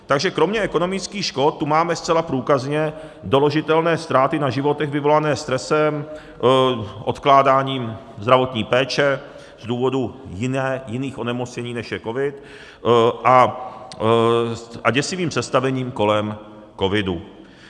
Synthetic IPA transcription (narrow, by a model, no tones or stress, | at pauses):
t̪aɡʒɛkɾo̞mɲɛʔɛko̞no̞mɪt͡skiːxʃkot̪̚t̪ːumaːmɛst͡sɛlapɾuːkazɲɛ | do̞loʒɪt̪ɛlnɛːst̪ɾaːt̪ɪnaʒɪvo̞t̪ɛɣvɪvo̞lanɛːst̪ɾɛsɛm | ʔo̞t̪klaːdaːɲiːm | zd̪ɾavo̞t̪ɲiːpɛːt͡ʃɛ | zduːvo̞dujɪnɛːjɪniːxʔo̞nɛmot͡sɲɛɲiːnɛʃjɛko̞vɪt̪ | ʔa | ʔa̰ɟɛsɪviːmsɛst̪avɛɲiːmko̞lɛm | ko̞vɪdṵ